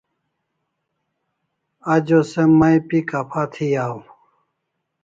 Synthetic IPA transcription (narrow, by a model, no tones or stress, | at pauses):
ɐd͡ʑosemːaipikɐpʰat̪ʰijaːw